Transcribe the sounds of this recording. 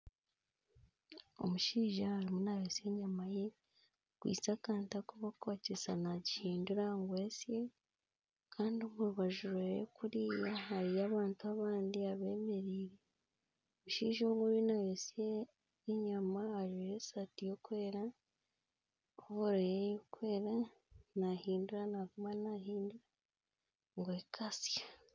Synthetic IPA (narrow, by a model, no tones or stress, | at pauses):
o̰muʃiːʒahaɾimunajose̞ɲamaje | kwḭːt͡sakaːntakuβakaːcesanaɟihiːnduɾaŋɡwesje | kʰaːndioβuɾuβaʒuɾejekuɾijaɦaɾijaːβaːntuaβaːndiaβe̞ːme̞ɾiːɾe | βuʃiːʒoɡuɾinajesjeː | ɲamaaɾijesatijokweːɾa | oβoɾejejokweːɾa | nahiːnduɾanakumanahiːnduɾa | ŋɡwe̞kʰasja